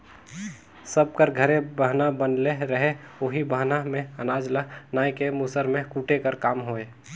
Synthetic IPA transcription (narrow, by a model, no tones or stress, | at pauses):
səb̚kəɾɡʱəɾẽbəɦnabənleɾəɦeoɦibəɦnamẽənaːd͡ʒlənaːjkemusəɾmẽkuːʈekəɾkaːmɦoe